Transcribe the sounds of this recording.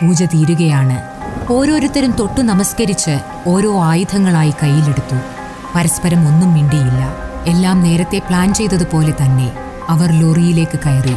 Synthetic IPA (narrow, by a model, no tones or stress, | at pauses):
puːd͡ʑɐt̪iːɾuɣɐjaːɳɨ | o̞ːɾo̞ːɾut̪ːɐɾumt̪o̞ʈːunɐmɐskɐɾit͡ɕːɨ | o̞ːɾo̞ːaːjud̪ʱʰɐŋːɐɭaːjikɐjːile̞ɽut̪ːu | pɐɾɐspɐɾɐmo̞nːumːiɳɖijilːɐelːaːmne̞ːɾɐt̪ːe̞pɭaːnt͡ɕe̞jt̪ːɐðɨpo̞ːle̞t̪ɐnːe̞ | ɐʋɐrlo̞rijile̞ːkːɨkɐjɐru